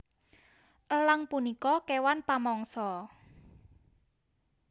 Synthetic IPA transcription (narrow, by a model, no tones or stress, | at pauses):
ʔələŋpunikɔkewanpamɔŋsɔ